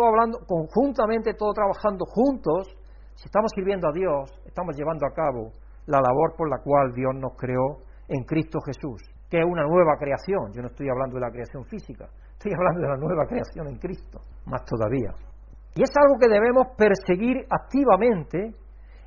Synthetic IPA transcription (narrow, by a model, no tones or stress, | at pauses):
aβland̪oko̞ŋxunt̪amẽnt̪et̪oðot̪ɾaβaxand̪oxunt̪o̞s | siest̪amo̞sːiɾβje̞nd̪oaðjo̞se̞st̪amo̞zʝe̞β̞and̪oakaβo | lalaβo̞ɾpo̞ɾlakwald̪jo̞zno̞skɾe̞o̞ | eŋkɾist̪oxe̞sus | keunanwe̞βakɾe̞aθjõ̞ŋd͡ʒonoest̪ojaβland̪oðelakɾe̞aθjõ̞ɱfisika | est̪ojaβland̪oðelanwe̞β̞akɾe̞aθjoŋeŋkɾist̪o̥ | mast̪o̞ða̰βia̰ | ie̞salɣo̞ke̞ðe̞β̞e̞mo̞spe̞ɾse̞ɣiɾakt̪iβamẽ̞nt̪e̞